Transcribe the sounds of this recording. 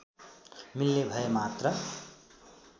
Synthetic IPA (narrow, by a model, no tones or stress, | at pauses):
milnebʱʌjemat̪rʌ